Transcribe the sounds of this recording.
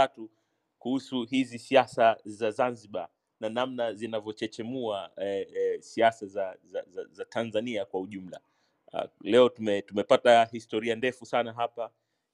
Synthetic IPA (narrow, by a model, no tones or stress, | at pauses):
atu | kuhusuɦizisiasazazanziɓa | nanamnazinavjɔt͡ʃɛt͡ʃɛmua | siasazaza̰zazatʰanzaniakwauʄum̩la̰ | lɛɔtumɛtumɛpatahistɔɾiandɛfusanaɦapa